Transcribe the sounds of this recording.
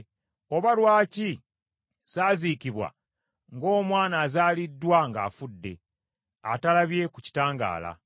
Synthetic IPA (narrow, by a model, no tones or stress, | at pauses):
o̞βalwaːci | saːzikiβwa̰ | ŋɡo̞ːmwaːnaːzaːlidːwaŋɡa̰ːfudːe̞̰ | a̰talaβje̞kuci̥taːŋɡa̰ːla̰